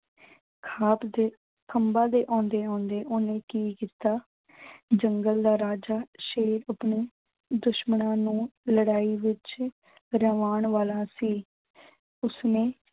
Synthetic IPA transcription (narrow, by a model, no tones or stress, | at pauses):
kʰaːpd̪eː | kʰəmbãːd̪eːʔãːnd̪eːãːnd̪eːʔoːnẽːkiːkiːt̪aː | d͡ʒəŋɡəld̪aːɾaːd͡ʒaːʃeːɾəpneː | d̪ʊʃmənãːnũːləɽaːiːʋɪt͡ʃ | ɾəʋaːɳʋaːlãːsiː | ʊsnẽː